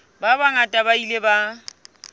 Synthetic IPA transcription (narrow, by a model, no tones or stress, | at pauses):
babaŋatʼabaileba